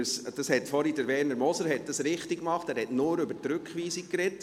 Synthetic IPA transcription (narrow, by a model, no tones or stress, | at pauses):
sd̥ɑshɛtfɔɾidəɾʋɛːɾnəɾmɔsəɾhɛt̚dɑsɾɪχtikːmɑχtæːɾhɛtnʊːɾʏbətɾʉkχʋiːsikɾɛt